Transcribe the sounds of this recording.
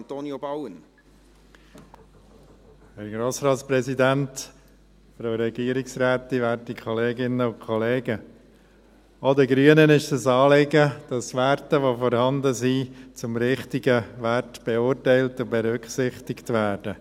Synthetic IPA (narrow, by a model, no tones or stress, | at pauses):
nt̪oːnijobɑwən | hɛɾɡɾoːsɾɑːtspɾɛsidænt | fɾaɾɛɡ̥iːəɾɪksɾæːt̪iʋæːɾtikʰχɔleːɡɪnːəʊnkʰɔleːɡə | odəɡɾyənənɪʃdəsɑːlɪɡəd̥ɑsʋæɾtəʋofɔɾhɑnd̪əzit͡sʊmɾɪχtiɡəʋæɾtb̥ɛʊːɾtɛɪltʊbɛɾʏkχsɪχtɪktʋæːɾdə